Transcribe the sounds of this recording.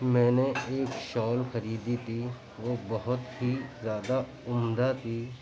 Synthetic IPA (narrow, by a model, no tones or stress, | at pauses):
mɛ̃ːneeːkʃɔːlxɐɾiːd̪it̪ʰi | ʋobɐɦʊt̪ɦizjaːd̪a | ʊmd̪at̪ʰiː